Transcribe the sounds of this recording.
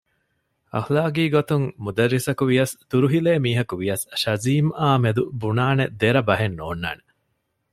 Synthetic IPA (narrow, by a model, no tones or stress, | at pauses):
ɐ̰xlaːɡiːɡot̪uŋmud̪ɐɾːisɐkuʋijɐst̪uɾuɦileːmiːɦɐkuʋijɐsʃɐziːmaːmed̪ubunaːned̪eɾɐbɐɦenːoːnːa̰ːne